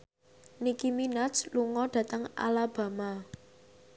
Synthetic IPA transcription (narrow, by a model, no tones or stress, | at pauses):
nikiminasluŋɔɖ̥ä̤t̪əŋa̰lab̥ä̤ma